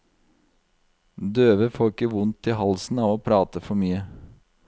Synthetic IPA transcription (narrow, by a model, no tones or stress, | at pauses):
d̪øːʋəfoːɾɪkːəʋʊnt̪ʰɪɦɑlsn̩ɑːʋoːpʰɾɑːt̪əfɔɾmyːə